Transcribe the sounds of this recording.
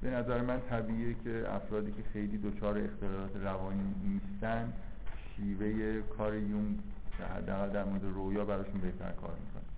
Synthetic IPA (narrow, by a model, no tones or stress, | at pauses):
b̥e̞næzæɾemænt̪ʰæbiːiːecʰe̞æ̰fɾɒːd̪iːcʰe̞xe̞jliːd̪ot͡ʃʰɒːɾeext̪elɒːɾɒːt̪ʰeɾævɒːniːnist̪ænd̪ | ʃiːve̞je̞kʰɒːɾejum̰ | hæ̰d̪ːeæɣæld̪æɾmo̞ɾe̞d̪eɾojɒːbæɾɒːʃunbe̞ht̪ʰæ̰ɾkʰɒ̰ːɾmḭːkʰo̰ne